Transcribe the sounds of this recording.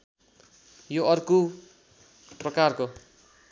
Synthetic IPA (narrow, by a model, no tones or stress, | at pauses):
joʌrku | prʌkarko